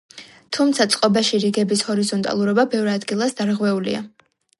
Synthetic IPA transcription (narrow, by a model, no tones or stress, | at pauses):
t̪ʰumt̪sʰat̪sʼqʼɔbaʃiɾiɡɛbishɔɾizɔnt̪ʼa̰lˠuɾɔbabɛvɾad̪ɡilˠasd̪aɾʁwɛulḭa̰